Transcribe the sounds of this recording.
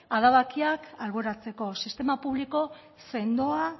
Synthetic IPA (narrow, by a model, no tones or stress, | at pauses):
aðaβakiakalβoɾat͡se̞ko̞sist̪e̞mapuβliko̞ | se̞nd̪o̞a